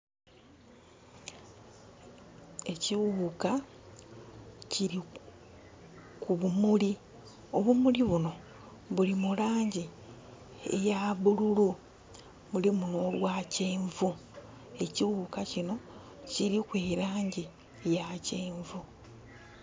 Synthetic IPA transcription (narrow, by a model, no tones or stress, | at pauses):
e̞ciwuka | ciɾi | kuβumuli | o̞βumuliβuno̞ | βulimulaːɲɟi | ḛjaβululu | βulimuno̞ːlwaːceːɱvu | e̞ciwukacino̞ | ciɾikweɾaːɲɟi | jaceːɱvu